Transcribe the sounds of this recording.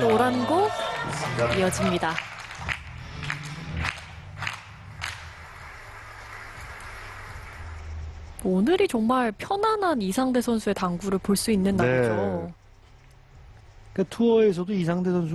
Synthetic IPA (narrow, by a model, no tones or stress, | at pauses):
oɾanɡʌ | ijʌd͡ʑimɲida | onɯɾit͡ɕoŋmaɭpʰjʌnanɦanisʰaŋde̞sʰʌnsʰue̞taŋɡuɾɯɭpoɭs͈uinːɯnːaed͡ʑo | katʰuʌes̬ʰʌdoisʰaŋde̞sʰʌnsʰ